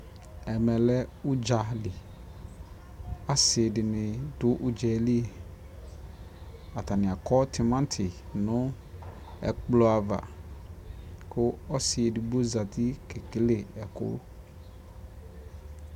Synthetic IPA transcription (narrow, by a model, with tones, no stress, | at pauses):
ɛ˨mɛ˨lɛ˦u˦d͡ʒa˨lɪ˨ | a˦sɪ˨dɪ˨nɪ̃˨dʊ˦ʔu˨d͡ʒɛ˨li˦e˨ | a˨ta˨nɪ̃˨a˨kɔ˦tʰi˨mã˦n˦tʰɪ˨nʊ̃˦ | ɛ̰˨k͡plɔ˨a˨va̰˨ | kʰʊ˦ɔ˦sɪ˨e˨di˨bo˦za˨t̪i˦ke˨ke˨le˨ɛ˨kʊ̰˦